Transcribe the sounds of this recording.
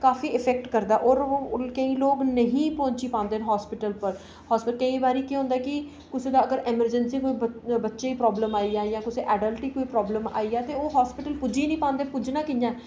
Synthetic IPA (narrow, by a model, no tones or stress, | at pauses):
kaːfiːɪpʰɛːk̚ʈkəɾd̪aːʔoːɾkəĩːloːɡnəɦĩːpɔ̃ːɲt͡ʃiːpãːnd̪eɦnɦɔːspɪʈəlpəɾ | hɔːspɪəlkəĩːbaːɾiːkeɦõːnd̪aːkɪ | kʊseːd̪aːəɡəɾʔɪməɾd͡ʒənsiːkoːiːbətːʃeːiːpɾɔːbləmaːiːaːjãːkʊseːʔɛːɖəlʈiːkoːiːpɾɔːbləma̰ːiːaːt̪eːoːɦaːspɪʈəlpʊd͡ʒiːnĩːpãːnd̪eːpʊd͡ʒnaːkɪjãː